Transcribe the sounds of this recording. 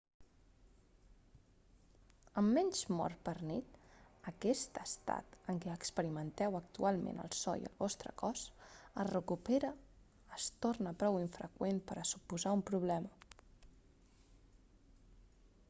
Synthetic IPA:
əmːɛɲʲzmɔ̰rpərnit̪əkɛst̪əst̪a̰t̪əŋkɛəkspəɾimənt̪ɛwək̚t̪ualˠmḛ̃nə̰lˠsɔ̰j̰ə̰lˠβɔst̪ɾə̰kɔsəzrəkupeɾə | əst̪ornəpɾɔwiɱfɾə̰kwenpəɾəsupuzaumpɾuβ̞lɛmə

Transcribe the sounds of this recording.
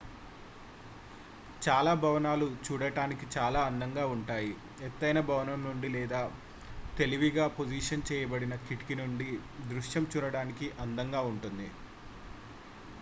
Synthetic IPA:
t͡ʃaːlaːbʱɐʋɐnaːlut͡ʃuːɽɐʈaːnikit͡ʃaːlaːɐnd̪ɐŋɡaːuɳʈaːji | ɛt̪ːɐjnɐbʱɐʋɐnɐmnuɳɖilɛːd̪aː | t̪e̞liʋiɡaːpod͡ʒiːʂɐnt͡ʃɛːjɐbɐɽinɐkiʈi̥kinuɳɖid̪ɾuʂjɐmt͡ʃuːɽɐɽaːnikiʔɐnd̪ɐŋɡaːuɳʈund̪i

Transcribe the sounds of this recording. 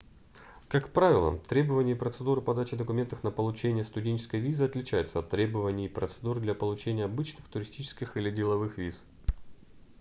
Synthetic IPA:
kakpɾavʲɪlˠə̰t̪ɾʲe̞bəvənʲɪjəɪpɾət̪sɨd̪uɾɨpɐd̪at͡ɕɪd̪əkʊmʲe̞nt̪əxnəpəlˠʊt͡ɕenʲɪjəst̪ʊdʲenʲt͡ɕɪ̥skəjvʲizɨɐt̪lʲɪt͡ɕæjɪʊt̪səɐt̪ːɾʲe̞bəvənʲɪjɪpɾət̪sɨd̪uɾd̪lʲɐpəlˠʊt͡ɕenʲɪjəɐbɨt͡ɕnɨxt̪ʊɾʲɪsʲtʲit͡ɕɪ̥skʲɪxilʲɪdʲɪlˠɐvɨxvʲis

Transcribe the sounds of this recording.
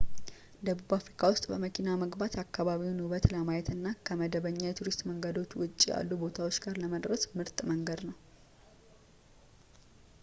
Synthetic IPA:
d̪əβuβafɾikʰawʊst̪ʼbəməkʰinaməɡbat̪akːaβaβiwnɨβət̪ləmajɛt̪ɨnːakʰəməd̪əβəɲːajɛt̪ʰuɾist̪ʼməŋɡəd̪o̞t͡ʃːwʊt͡ʃʼːija̰lːubo̞t̪ʰawo̞t͡ʃːɡaɾləməd̪ɾəsmɨɾt̪ʼməŋɡəd̪nəw

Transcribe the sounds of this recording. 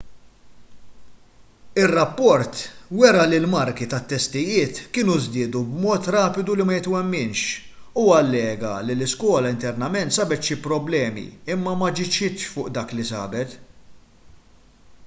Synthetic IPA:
ɪrːɐpːɔɾt̪wɛɾɐlɪlmɐɾkit̪ɐt̪ːɛst̪ɪjɪːt̪kɪːnuzd̪ɪːd̪ubmɔːt̪ɾɐːpɪd̪ulimɐjɪt̪wɛmːɪnʃ | uːɐlːɛːɡɐ̰lilɪskwɔːlɐɪnt̪ɛɾnɐmɛnt̪sɐbɛt̪ʃipɾɔblɛːmḭɪmːɐmɐd͡ʒɪt͡ʃːɪt̪ʃfʊːʔd̪ɐːklisɐ̰ːbɛt̪

